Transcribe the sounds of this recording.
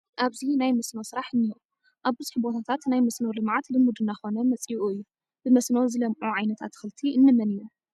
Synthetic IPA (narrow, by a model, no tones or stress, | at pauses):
ʔaβzinajmɐsnowsɨɾaħɨnːɨhɨʔu | ʔaβbɨzuħbo̞t̪ʰat̪ʰat̪najmɐsnowlɨmʕat̪lɨmːud̪ɨnːaxo̞nɐmɐt͡sʼiʔuɨjːu | b̥ɨmɐsnowzɨlɐmʔuʕajnɐt̪ʰat̪xɨlt̪ʰiʔɨnːɨmɐnɨju